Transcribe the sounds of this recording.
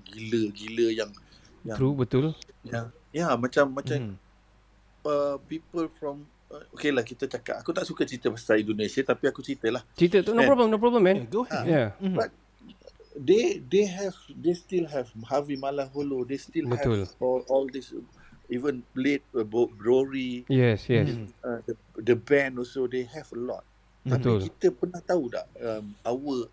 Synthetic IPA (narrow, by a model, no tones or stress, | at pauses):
ɡiləɡiləjaŋ | at̪ɾubət̪ʊljajamãt͡ʃamːãt͡ʃam | əpipəlfɹɔ̃m | əokelahkit̪ət͡ʃaka̰t̪akut̪aʔsukat͡ʃɾit̪əpastaĩndonẽsiət̪apiakut͡ʃɾit̪əlaht͡ʃɾit̪ət̪onopɹɔbləmnop̬ɹɔblə̃mɛ̃nɡojabat̪̚ | ded̪eɦɛvd̪est̪ilɦɛvhavimalaɦolod̪est̪ilbəhɛt̪ulɔlɔld̪ɪs | ivə̃nplet̚bobɾoɹijɛsjɛədə | dəbɛ̃nɔsodeɦɛvəlɔ̰t̪̚ː | ət̪ilkit̪əpənaht̪auda̰ʔəmawə